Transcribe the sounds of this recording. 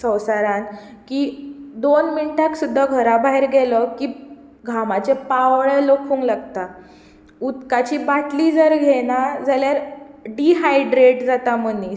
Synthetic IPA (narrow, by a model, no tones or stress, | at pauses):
sə̃wsaɾãn | kiːd̪onminʈaksud̪ʱːaɡʱəɾabaɦiɾɡɛləkiː | ɡʱamat͡sepaʋɭelokfuŋɡlaɡt̪a | ut̪kat͡ɕiːbaʈliːd͡zəɾɡʱɛnad͡zaljaɾɖiɦajɖɾeʈd͡zat̪aməni